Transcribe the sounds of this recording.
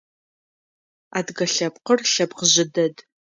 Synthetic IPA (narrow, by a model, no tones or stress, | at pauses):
aːdɡɐɬɐpqərɬɐpqəʑɪdɐd